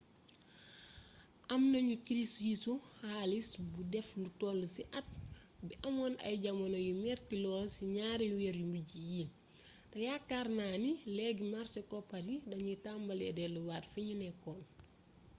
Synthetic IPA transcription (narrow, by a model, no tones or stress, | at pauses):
ʔɐmnɐɲukiɾistjisuhaːlisbudɛflutɔːlːsiʔɐt̚ | biʔɐmɔnɐ̰jɟɐmɐnojumɛːrtilɔːlsiɲaːɾiwɛːɾjumbuɟiji | tɛjakːaːrnaːnilɛɡimaɾsɛkɔpɐdidɐɲutambɐlɛdɛluwaːtfiɲinɛkɔːn